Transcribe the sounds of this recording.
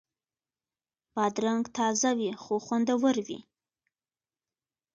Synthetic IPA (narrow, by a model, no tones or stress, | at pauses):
bɑd̪ɾaŋɡt̪ʰɑzawixoxwand̪awəɾwḭ